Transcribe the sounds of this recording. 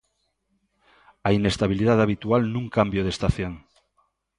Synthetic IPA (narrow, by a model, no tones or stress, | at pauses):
aine̞st̪aβiliðaðaβ̞it̪ualnũŋkambjoð̞est̪aθjoŋ